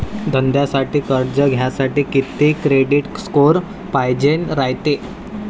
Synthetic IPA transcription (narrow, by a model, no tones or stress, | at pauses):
d̪ʱənd̪jasaʈiːkəɾd͡ʑəɡʱjasaʈiːkit̪ːekɾeɽiʈskoɾ | pajd͡ʑenɾajt̪e